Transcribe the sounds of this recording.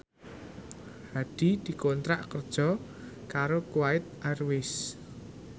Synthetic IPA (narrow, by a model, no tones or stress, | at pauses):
haɖ̪̥i̤d̪̥i̤kont̪ɾaʔkərd̥ʒ̥ɔ̤ | kaɾokuwaɪt̪̚ʔarwɪs